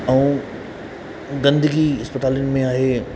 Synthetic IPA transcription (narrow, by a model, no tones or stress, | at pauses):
ɛ̃ũ | ɡɐ̃nd̪əɡiɪspət̪aːljʊnɪ̆mẽaːɦeː